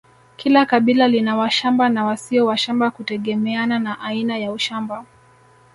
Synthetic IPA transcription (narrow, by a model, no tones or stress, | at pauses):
kʰilakaɓilalinawaʃambanawasiɔwaʃambakutɛɠɛmɛananaʔainajauʃamba